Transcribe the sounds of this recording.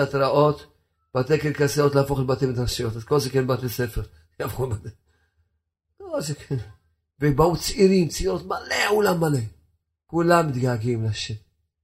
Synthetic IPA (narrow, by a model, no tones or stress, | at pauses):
at̪ɾaʔot̪ | b̥at̪ɛkɛlkasaɾot̪lafoxlbat̪imt̪ɾaʃijot̪azkolzɛkɛnbat̪esɛfɛɾ | jafxulmad̪e | kolzɛkʰɛn | vebaut͡sʔiɾimt͡sʔiɾot̪malɛulamːalɛ | kulːamɪd̪ɡaːɡimlaʃɛm